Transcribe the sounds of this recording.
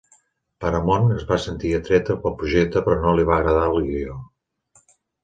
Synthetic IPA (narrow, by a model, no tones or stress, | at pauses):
pəɾəmonəzβasənt̪iət̪ɾɛt̪əpəpɾuʒek̚t̪əpɾɔnoliβ̞aɣɾəð̞alilio